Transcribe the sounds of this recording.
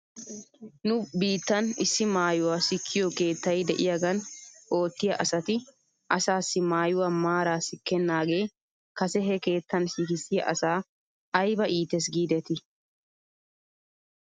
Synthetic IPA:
nʊbiːt̪ːɐnɪsːɪmaːjʊwaːsɪkʰːɪjoke̞ːt̪ːɐjd̪ɛʔɪjɐɡɐnʔo̞ːt̪ːɪjɐʔɐsɐt̪ɪ | ʔɐsaːsːɪmaːjʊwaːmaːɾaːsɪkːɛnːaːɡe̞ː | kɐsɛɦɛke̞ːt̪ːɐnsɪkɪsːɪjɐ̰ʔɐsaː | ɐjbɐʔiːt̪ːɛs̬ɡiːd̪ɛt̪ɪ

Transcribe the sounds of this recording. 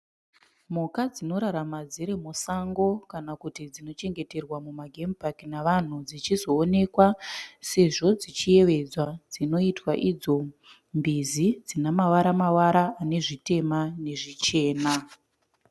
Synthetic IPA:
mukad͡zino̞ɾaɾamad͡ziɾe̞mosaŋɡo̞kanakutid͡zino̞t͡ʃe̞ŋɡe̞te̞rwamumaɡʱempakinaʋan̤ud͡zit͡ʃizo̞ːne̞kwase̞ʐo̞d͡zit͡ʃije̞ʋe̞d͡zwad͡zino̞itwaʔid͡zo̞ | mbizid͡zinamawaɾamawaɾaːne̞ʐite̞mane̞ʐit͡ʃe̞ːna

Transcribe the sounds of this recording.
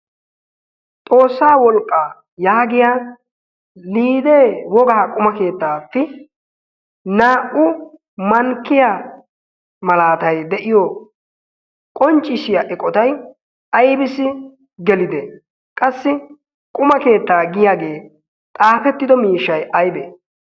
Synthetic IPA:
t̪ʼo̞ːsːaːwɔlkʼːa | jaːɡɪjaː | liːd̪eːwɔɡɐakʼʊmɐke̞ːt̪ːaːfːɪ | naːʔʊ | mɐŋkːɪja | mɐlaːt̪ɐjd̪ɛʔɪjɔ | kʼɔnt͡ʃʼːɪsɪjaʔɛkʼːɔt̪ɐj | ɐjbɪsɪ | ɡɛlɪd̪ɛ | kʼɐsːɪ | kʼʊmɐke̞ːt̪ːaːɡɪjaːɡe̞ː | t̪ʼaːpɛt̪ːɪd̪ɔmiːʃːɐjɐjbe

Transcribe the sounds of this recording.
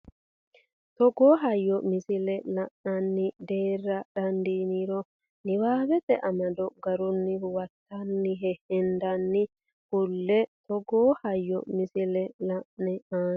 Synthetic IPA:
t̪ɔɡoːɦɐjːɔmɪsɪlɛlɐʔnɐnːɪd̪eːrːɐɗɐnd̪iːniɾɔ | nɪwaːbɛt̪ɛʔɐmɐd̪ɔɡɐɾʊnːɪwɐt̪ːɐnːɪɦɛhɛnd̪ɐnːɪ | hʊlːɛt̪ɔɡoːhɐjːɔ̰mɪsɪlɛlɐʔnɛaː

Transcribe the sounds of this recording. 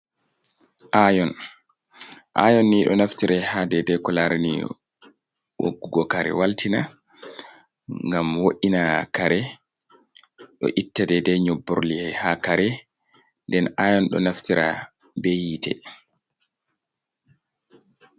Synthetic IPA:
ʔajɔn | ʔa̰jɔnːiɗɔ̰naftiɾɛhadɛdɛkɔlaɾanḭ | wo̰ɡːuɡɔkaɾɛ̰waltina | ŋɡamwoʔinakaɾɛ | ɗɔ̰ʔitːadɛdɛɲobːoɾliɛhakaɾɛ | ndɛnajɔnɗɔ̰naftiɾʔa | bejitɛ̰

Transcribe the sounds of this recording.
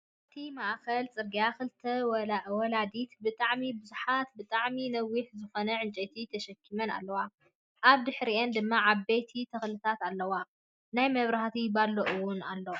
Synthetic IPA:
ʔʔɨt̪ʰimaʔkɐlt͡sʼɨɾɡijakɨlt̪ʰɐwɐlaʔwɔlad̪it̪bɨt̪ʼaʕmibɨzuħat̪̚bɨt̪ʼaʕminɐwːiħzɨxonɐʕɨnt͡ʃʼɐt̪ʰit̪ʰɐʃɐkʰːimɐna̰lːɐwa | ʔaβd̪ɨħɾiʔend̪ɨmːaʕaβet̪ʰit̪ʰɐxlɨt̪ʰat̪alːɐwa | najmɐβɾaht̪ʰibalːoʔɨwʊnalːo

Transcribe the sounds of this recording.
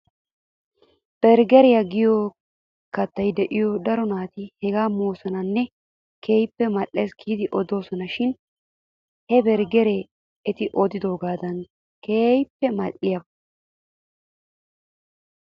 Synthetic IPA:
b̥ɛɾɡɛɾɛjɐɡɪjo | kɐt̪ːɐjd̪ɛʔɪjɔd̪ɐɾɔnaːt̪ɪhɛɡaːmoːsɔnɐnːɛ | kʰeːjpːɛmɐlːe̞ːskʰiːd̪ɪʔɔd̪o̞ːsɔnɐʃɪn | hɛbɛɾɡɛɾe | ɛt̪ɪʔɔd̪ɪd̪o̞ːɡaːd̪ɐn | keːjpːɛmɐlɪjɐb

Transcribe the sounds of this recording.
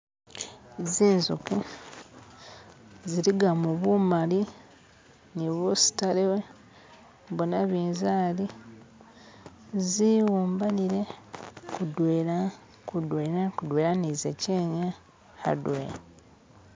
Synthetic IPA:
ziːnzuku | ziɾiɡamuβumali | niβusi̥talewe | βonaβiːnzaːli | ziwuːmbaniɾe̞kudweɾa | kudweːɾakudweɾanizeceːɲa | ha̰dweːɾa

